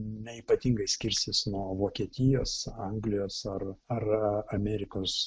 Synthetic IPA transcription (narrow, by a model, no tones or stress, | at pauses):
nʲɛiːpɐt̪ʲiːŋɡɐɪsʲkʲɪɾʲsʲɪsnuɔʋoːkʲiɛt̪ʲɪjoːsɐŋɡlʲɪjoːsɐrɐrɐmʲæːɾʲɪkoːs